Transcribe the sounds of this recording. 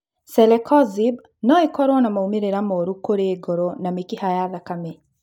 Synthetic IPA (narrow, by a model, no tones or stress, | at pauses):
sɛlɛkʰɔzib | nɔekɔɾwɔnamaumeɾeɾamoɾukoɾeːɡɔɾonamikihajaðakame